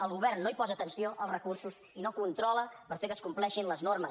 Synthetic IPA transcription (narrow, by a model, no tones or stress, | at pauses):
əlˠɣuβɛrnnːoipɔzət̪ənsioʔəlˠsrəkursus | inokunt̪ɾɔləpəɾfekəskumplɛʃinləznormə